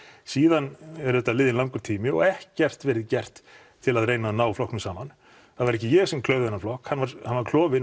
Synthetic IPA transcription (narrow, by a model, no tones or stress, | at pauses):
siːðanɛɾʏðɛt̪ːalɪːðɪnlawŋkʏɾt̪ʰiːmɪɔ̰ɣɛhcɛr̥t̪vɛːɾɪðcɛr̥t̪ʰː | ɪlaðrejnaðanaːwflɔhknʏmsaːman | θaðvaɾɛhcɪjɛɣsɛmkʰlœːɥvðɛnːaɾflɔhkhanːvaɾhanvaɾkʰl̥ɔːvɪn